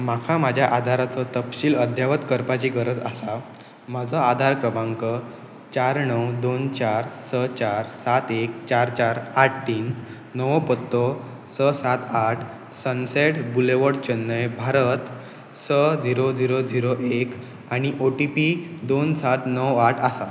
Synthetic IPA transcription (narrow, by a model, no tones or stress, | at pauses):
makʰamad͡ʑʱjaʔad̪ʱaɾat͡sɔt̪əpɕiːləd̪ʱjaʋət̪kəɾpat͡ɕiɡəɾəd͡za̰sa | mad͡zʱəad̪ʱaɾkɾəbãŋkə | t͡ɕaɾɳəwd̪ont͡ɕaɾsət͡ɕaɾsat̪ek̚t͡ɕaɾt͡ɕaɾaʈ̚ʰʈːiːnː | əʋpət̪ːo | səsat̪ʰaʈʰ | sənseʈbuleʋəɽt͡ɕənːəjbʱaɾət̪ | səd͡ziɾod͡ziɾod͡ziɾoʔek | aɽ̃iʔoʈipid̪onsat̪nəwaʈʰasa